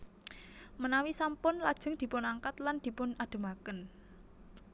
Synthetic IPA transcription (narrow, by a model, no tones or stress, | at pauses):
mənawisampʊnlad̥ʒ̥ə̤ŋd̪̥i̤pʊnaŋkat̪land̪̥i̤pʊnaɖ̥ə̤makən